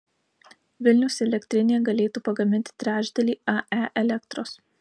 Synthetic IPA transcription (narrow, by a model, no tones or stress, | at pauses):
ʋʲɪlʲnʲʊsʲɛlʲɛkʲt̪ʲɾʲɪnʲeːjɛɡɐlʲeːt̪uːpɐɡɐmʲɪnʲt̪ʲɪ̥t̪ʲɾʲæːd͡ʒʲd̪ʲɛlʲiːɐæʔɛlʲɛkt̪ɾoːs